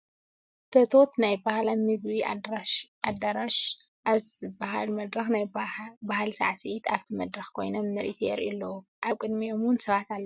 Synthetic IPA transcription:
t̪ʰɐt̪ʰo̞t̪najbahlamɨɡβi | ad̪aɾaʃ | ʔaβzɨbaɦalmɐd̪ɾɐxnajbahalsa̰ʕsijit̪aβt̪ʰimɐd̪ɾɐxkʰo̞jnomːɐɾʔit̪ʰjɛɾilːɐwuʔaβkʼɨd̪miomwʊnsɐβat̪alːɐ

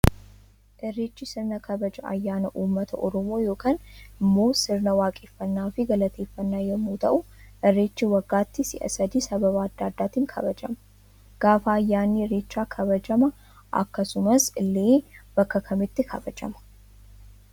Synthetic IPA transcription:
ʔɛrːeːt͡ʃːɪsɪɾnɐkʰɐbɐd͡ʒɐɐ̰jːaːnɐʔuːmːɐt̪ʰɐʔɔɾɔmo̞ːjo̞ːkaːnɪmːo̞ːsɪɾnɐwaːkʼɪfːɐnːaːfɪɡɐlɐt̪ʰeːfːɐnːaːjɐmːuːt̪ɐʔʊʔɛrːeːt͡ʃːiwɐɡːaːt̪ːɪsɪ̰ʔɐ̰sɐd̪iːsɐbɐβaːd̪ːaːd̪ːaːt̪iːŋkʰɐ̰bɐd͡ʒɐ̰mɐ̥ | ɡ̥aːfɐːjːaːnːiret͡ʃːaːkʰɐbɐd͡ʒɐmɐ | ʔɐ̰kːɐsʊmɐsɪlːeːb̥ɐkːɐkʰɐmɪt̪ːɪkʰɐbɐd͡ʒɐ̰mɐ̥

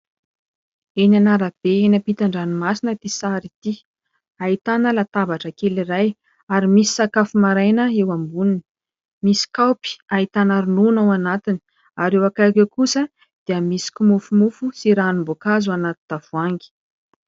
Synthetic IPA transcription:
enanaɾab̥eenəpit̪aɳɖ͡ʐanimasinət̪isaɾit̪i | ait̪anəlat̪avaʈ͡ʂəkeliraj | aɾimisi̥sakafumaɾajnəewambuninə̥ | misi̥kawpi̥ait̪anaɾununawanat̪ini̥ | aɾewakajkekusə | d̪̥eəmisi̥kumufumufusiɾaːnumbokazuanat̪i̥t̪avuaŋɡi̥

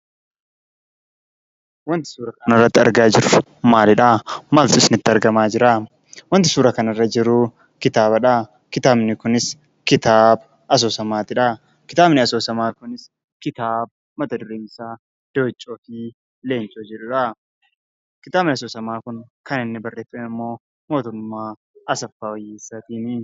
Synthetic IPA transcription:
wɐnt̪ɪ̥suːɾɐkɐnɪrːɐt̪ːɪɐ̰ɾɡaːd͡ʒɪɾʊ | maːlɪᶑaːmaːlt̪ʊɪsnɪt̪ːɪɐɾɡɐmaːd͡ʒɪɾaː | wɐnt̪ɪ̥suːɾɐkɐnɐrːɐd͡ʒɪɾʊ | kɪt̪aːbɐᶑaː | kɪt̪aːbnɪkʊnɪs | kɪt̪aːb | ɐs̬o̞ːsɐmaːt̪ɪᶑa | kɪt̪aːbnɪɐsoːsɐmaːkʊnɪs | kɪt̪aːb | mɐt̪ɐd̪ʊɾiːnsaː | d̪̥oːt͡ʃʼːoːfiː | le̞ːnt͡ʃʼoːd͡ʒɛᶑʊᶑɐ | kɪt̪aːbnɪɐsoːsɐmaːkʊnkɐnɪnːɪbɐrːe̞ːfɛnɪmːo̞ː | mo̞ːt̪ʊmːaː | ɐsɐfːaːɔjiːsːɐt̪iːni

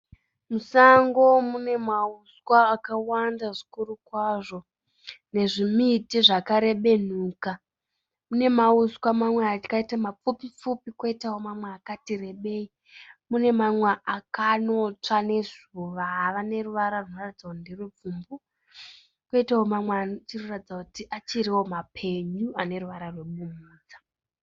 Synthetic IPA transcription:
musaŋɡo̞mune̞mauskwaːkawandaʐikurukwaʐo̞ | ne̞ʐimitiʐakaɾe̞ɓe̞n̤uːka | mune̞mauskwamamweakaitamap͡fupip͡fupikwoitawo̞mamweakatire̞ɓe̞ːi | mune̞mamweʔakano̞t͡ʂane̞zuʋaɦaʋane̞ruʋaɾaruno̞ratid͡zaondirub͡vumbu | koitawomamweant͡ʃiroratid͡zakutiʔat͡ʃiɾiwo̞mapʰe̞ɲuane̞ruʋaɾarwe̞ɓumuːd͡zḁ

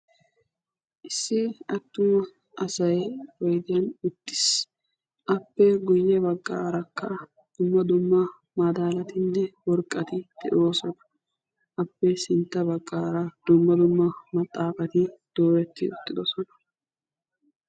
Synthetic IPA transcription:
ʔɪsːɪɐt̪ːʊm | ʔɐsɐjwɔjd̪ɪjɐnʊt̪ːɪ̥s | ʔɐpːɛɡʊjːɛbɐkʼːaːɾɐkːɐ | d̪̥ʊmːɐd̪ʊmːɐ | mad̪aːlɐt̪ɪnːɛwɔɾkʼːɐt̪ɪd̪̥ɛ̰ʔoːsɔnɐ̥ | ʔɐpːɛsɪnt̪ːɐbɐkʼːaːɾɐd̪̥ʊmːɐd̪ʊmːɐmɐt̪ʼːaːfɐt̪ɪd̪̥oːɾɛt̪ːɪʊt̪ːɪd̪ɔsɔnɐ̥

